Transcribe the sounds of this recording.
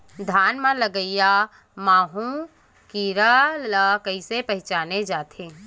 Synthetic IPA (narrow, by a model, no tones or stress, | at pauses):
d̪ʱaːnmãləɡəija | maːɦũ | kiːɾaləkɐisepɐɦɪt͡ʃaːned͡ʒaːt̪ʰeː